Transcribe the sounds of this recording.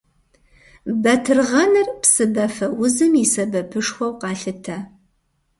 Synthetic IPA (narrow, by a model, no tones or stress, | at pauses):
bɐtʰɨrʁɐnɨrpsɨbɐfɐwʊzɨmisɐbɐpʰɨʂxʷɔwqɑːɬɨtʰɐ